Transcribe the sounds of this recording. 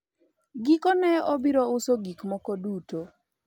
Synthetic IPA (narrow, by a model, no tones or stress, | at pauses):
ɡikɔnɛɔbiɾɔʊsoɡikmɔkoduto